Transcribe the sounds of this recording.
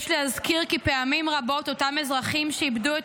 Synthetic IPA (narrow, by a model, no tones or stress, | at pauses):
ʃleazkiʁkipe̞amimʁabo̞t̪o̞tamezʁaχimʃeibdue